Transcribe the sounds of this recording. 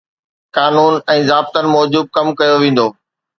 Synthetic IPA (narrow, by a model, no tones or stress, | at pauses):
kaːnuːnɛ̃ːzaːb̚t̪ənɪ̆mɔːd͡ʑuːb̚kɐmkɐjoʋẽːn̆d̪oː